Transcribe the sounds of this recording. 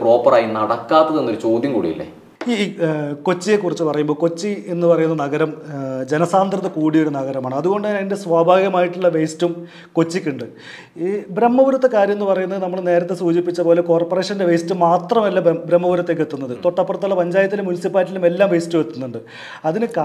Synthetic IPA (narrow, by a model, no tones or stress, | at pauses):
pro̞ːpːɐraːjinɐɽɐkːaːt̪ːɐðenːoɾut͡ɕo̞ːd̪jɐmkuːɽḭjḭlːḛ | iko̞t͡ɕːije̞kːurit͡ɕːɨpɐrɐjumboːko̞t͡ɕːie̞nːɨpɐrɐjunːɐnɐɣɐɾɐmd͡ʑe̞nɐsaːnd̪rɐðɐkuːɽijuɽenɐɣɐɾɐmaːɳɨɐðuɣo̞ɳɖɨɲaːnɐinde̞sʋaːbʱaːɡjɐmaːjiʈːuɭːɐʋejstum | ko̞t͡ɕːikʲːuɳɖɨ | bɾemːɐʋuɾɐt̪ːɐkːaːɾjɐme̞nːupɐrɐjunːɐðɨnɐmːɐɭne̞ːɾɐt̪ːe̞suːd͡ʑipːit͡ɕːɐpo̞ːle̞ko̞ːrporeːʂɐnnde̞ʋejstːumaːt̪rɐmelːabɾemːɐbuɾɐt̪ːek̬ːet̪ːunːɐðɨt̪o̞ʈːɐpːɐrɐt̪ːuɭːɐpɐɲd͡ʑaːjɐt̪̬ːilumːunisipːaːlit̬ːilume̞lːaːmʋe̞jstːuʋet̪ːunːuɳɖɨ | ɐðinɨka